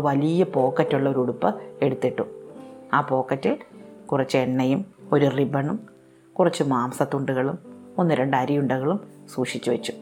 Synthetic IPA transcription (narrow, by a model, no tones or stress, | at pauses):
ʋɐlijɐpo̞ːkːɐtːuɭːɐoɾuɽupːɐe̞ɽut̪ːiʈːuaːpo̞ːkːɐtːilkurɐt͡ɕːɨe̞nːɐjumo̞ɾuribɐɳum | kurɐt͡ɕːɨmaːmsɐt̪ːuɳɖuɣɐɭumonːɨɾe̞ɳɖɐɾijuɳɖɐɣɐɭumsuːʂit͡ɕːuʋɐt͡ɕːu̥